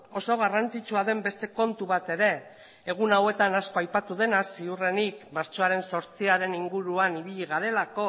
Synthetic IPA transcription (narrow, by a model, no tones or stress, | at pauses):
o̞so̞ɣ̞arant͡sit͡ʃuaðe̞mbe̞st̪e̞ko̞nt̪uβ̞at̪e̞ɾe̞ː | ɣ̞unawe̞t̪anasko̞ajpat̪uð̞e̞nasiure̞nikmaɾt͡ʃo̞aɾe̞nso̞ɾt͡siaɾe̞niŋɡuɾuaniβ̞iʎiɣaɾe̞lako̞